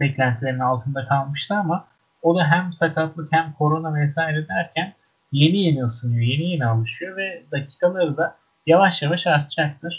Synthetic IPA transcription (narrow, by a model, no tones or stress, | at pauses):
bɛclʲænt̪ʰilʲe̞ɾinalˠt̪ʰɯnd̪akʰalˠmɯʃt̪ʰɯama | o̞d̪aɦæmsakʰat̪lˠɯkhæmkʰo̞ɾo̞namesaːiɾe̞d̪æɾcʰæn | je̞nijenijosɯnijoje̞nije̞nialˠɯʃɯjo̞vɛd̪acʰi̥ːkʰalˠaɾɯd̪a | javaʃjavaʃaɾt̪̚t͡ʃak̚t̪ʰɯɾ̥